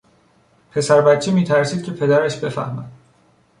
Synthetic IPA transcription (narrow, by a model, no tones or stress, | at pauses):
pʰe̞sæɾbæt̪̚t͡ʃʰiːmiːt̪ʰæɾsiːd̪̥̚cʰe̞pʰe̞d̪æɾæʃbe̞fæ̰hmæ̰d̪̥